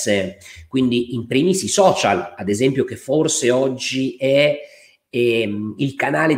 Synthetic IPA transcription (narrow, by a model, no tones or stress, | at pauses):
sekwind̪iʔimpɾimisisɔːt͡ʃa̰lad̪ezɛmpjokefːorseɔd͡ʒːiɛ | ɛilkanaːle